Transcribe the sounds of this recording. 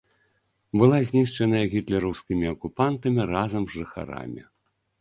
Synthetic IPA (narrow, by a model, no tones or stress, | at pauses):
bɨlˠazʲnʲiʂt͡ʂɛnɐjɐɣʲit̪lʲɛɾɐwskʲimʲiɐkupant̪ɐmʲirazɐmzʐɨxa̰ɾa̰mʲḭ